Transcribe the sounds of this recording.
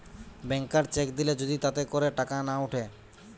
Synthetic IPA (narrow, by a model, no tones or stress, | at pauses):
bɛŋkaɾt͡ɕekd̪iled͡ʑod̪it̪at̪ekoɾeʈakanauʈʰe